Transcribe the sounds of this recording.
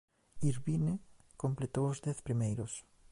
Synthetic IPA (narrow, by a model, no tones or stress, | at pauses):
iɾβinekomplet̪oozd̪ɛθpɾimejɾos